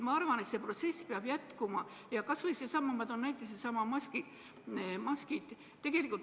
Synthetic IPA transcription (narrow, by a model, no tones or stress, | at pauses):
mɑɑrvɑne̞t̪se̞pro̞t̪se̞sːpeɑb̥jæt̪kumɑ | jɑkɑsvɤjsesɑmːɑmɑd̪o̞nnæjt̪ːˑise̥sɑmɑmɑski | mɑskit̪ | t̪e̞ɡ̥e̞likːˑult̪